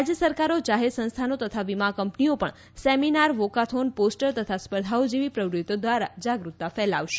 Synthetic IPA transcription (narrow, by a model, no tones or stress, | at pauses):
ad͡ʒjəsəɾkaɾod͡ʒaɦed̪sə̃nst̪ʰanot̪ət̪ʰaʋimakəmpniopəɳ | sɛminaɾʋokat̪ʰonposʈəɾt̪ət̪ʰaspəɾd̪ʱaod͡ʒeʋipɾəʋɾut̪od̪ʋaɾad͡ʒaɡɾut̪ːafɛlaʋʃe̥